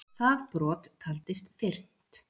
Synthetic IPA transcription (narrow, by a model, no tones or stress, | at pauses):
θaðpɾɔːt̪kʰalt̪ɪst̪fɪr̥t̪